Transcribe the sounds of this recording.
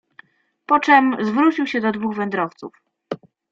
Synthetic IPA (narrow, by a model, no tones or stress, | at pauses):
pɔt͡ʂɛmzvɾut͡ɕiwɕɛd̪ɔd̪vuɣvɛnd̪ɾɔft̪sṵf